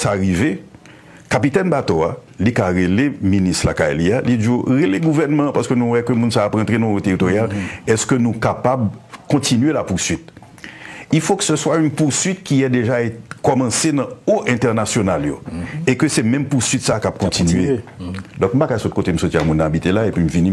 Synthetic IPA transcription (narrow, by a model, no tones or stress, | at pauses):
saʁive | kapit̪ɛnbat̪oa̰ | likaʁeleminist̪la̰ka̰jlijalid͡zuʁeleɡuvɛʁnmɐ̃paʁsə̥kønũwɛkømũnsaːpɑ̃t̪ʁenɔ̃ot̪eʁit̪oʁjalɛskønũkapabkɔ̃tinɥelapuʁsɥit̪ | ifokə̥səswaynpuʁsɥit̪̚kiɛd̪eʒaekɔmɑ̃senɐ̃oʔɛ̃t̪ɛʁnasjonaljo̰ekøsɛmɛ̃mpuʁsɥit̪sakap̚kɔ̃t̪inɥed̪ɔ̃k̚m̩pakasɔt̪̚kotem̩sotiamũnːãabit̪elaepɥim̩vinĩ